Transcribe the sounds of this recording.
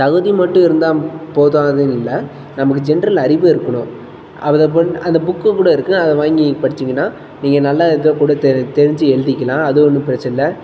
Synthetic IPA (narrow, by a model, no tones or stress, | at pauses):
t̪ɐɣɯðimɐʈːʊ̃ɪɾɯnd̪aːpoːðaːnɐðɯnɪlːɐ | nɐmɐk̬ːɯd͡ʒɛnɾɐlɐɾɪʋɯɪɾɯkːɐɳʊ̃ | ʔɐpɐðɐpoɐnd̪ɐbʊkːɯkuːɽɐɪɾɯkːɯɐðɐʋaːŋɡipɐɽɪt͡ʃːɪŋɡɐnːaː | niːŋɡɐnɐlːaːɪðoːkuːɽɐt̪ɛt̪ɛɾɪɲd͡ʒɯɛɻɯðɪkʲːɐlãːɐðɯɔnːɯpɪɾɐt͡ʃːɐlːɐ